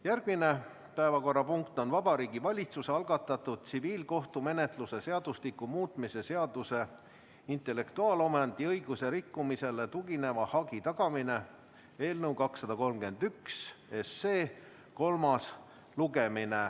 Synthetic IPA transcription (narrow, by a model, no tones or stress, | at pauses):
jærɡ̥mine̞ | pæevɑko̞rːɑpuŋkt̪ˑo̞nvɑb̥ɑɾiːɡivɑlʲit̪suseɑlɡ̥ɑt̪ːˑɑt̪ːˑud̪̥̚t̪siviːlko̞ht̪ume̞ne̞t̪ˑluse̞se̞ɑd̪̥uslikːumuːt̪ˑmise̞se̞ɑd̪̥use̞ | int̪ˑe̞le̞kt̪uɑːlo̞mɑnd̪̥iɤjɡ̥use̞ɾikːumise̞le̞t̪uɡ̥ine̞vɑhɑɡit̪ɑɡ̥ɑmine̞ | e̞ːlnəwkɑksːɑd̪̥ɑko̞lmɡe̞nd̪̥ykse̞sːe̞ː | ko̞lmɑs | luɡe̞mine